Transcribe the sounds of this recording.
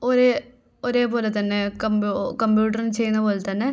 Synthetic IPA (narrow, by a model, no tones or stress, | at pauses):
oɾe | oɾe̞ːpo̞ːlet̪ɐnːekɐmbukɐmbjuːʈ̬ɐrint͡ɕejːunːɐpo̞ːlet̪ɐnːe̞